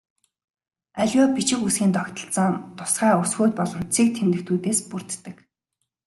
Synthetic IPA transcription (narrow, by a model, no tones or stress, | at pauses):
æɮʲɔːpit͡ɕɪ̆kusɡiːnt̪ʰɔkt̪ə̆ɬt͡sə̆ŋt̪ʊ̥sχæːʊsɣoːt̪̚pɔɮɞ̆m̥t͡sʰiːk̚t̪ʰemt̪ɘ̆kt̪ʰuːt̪eːspur̥t̪ːə̆k